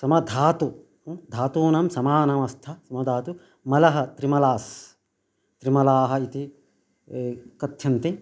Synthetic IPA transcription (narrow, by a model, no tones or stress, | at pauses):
sɐmɐd̪ʱaːt̪u | d̪ʱaːt̪uːnɐmsɐmaːnɐmɐst̪ʰɐsɐmɐd̪ʱaːt̪u | mɐlɐɦɐt̪ɾimɐlaːs | t̪ɾimɐlaːɦɐ̆it̪i | kɐt̪ʰjɐnt̪i